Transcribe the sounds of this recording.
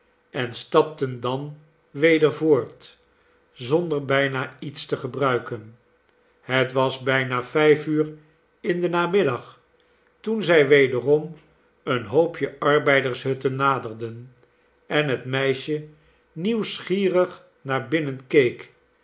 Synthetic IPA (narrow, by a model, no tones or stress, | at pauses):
ɛnstɑp̚təndɑn | ʋejdəɹvoːɹt | zɔndəɹbɛjnaːitstəχəbrœɥkən | hətʋɑzbɛjnaːfɛjfyːɹ | ɪndənaːmɪdɑχ | tunzɛjʋejdərɔm | ənɦowpʰjəʔɑɹbɛjdəɹsɦɵtənːaːdərdən | ɛnɦətmɛjʃə | niwsχiːrəχ | naːɹbɪnənkejk